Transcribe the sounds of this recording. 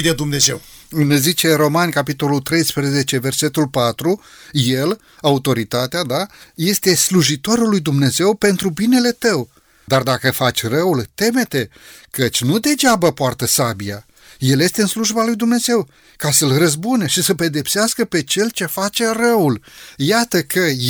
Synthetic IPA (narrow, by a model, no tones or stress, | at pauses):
d̪ed̪umne̞ze̞̰wɨnzit͡ʃe̞ro̞manʲkapit̪o̞lult̪ɾe̞jspɾəze̞t͡ʃe̞ve̞rse̞t̪ulpat̪ɾu | je̞l | aut̪o̞ɾit̪at̪ead̪aje̞st̪e̞sluʒit̪o̞ɾulːujd̪umne̞ze̞wpe̞nt̪ɾubine̞le̞t̪əw | d̪ard̪akəfat͡ʃʲrəult̪e̞me̞t̪e̞kət͡ʃʲnud̪e̞d͡ʒabəpoart̪əsabija̰ | je̞lje̞st̪e̞ɨnsluʒbalujd̪umne̞ze̞w | kasəlrəzbunəʃisəpe̞d̪e̞pseaskəpe̞t͡ʃe̞lt͡ʃe̞fat͡ʃe̞rəuljat̪əkʰə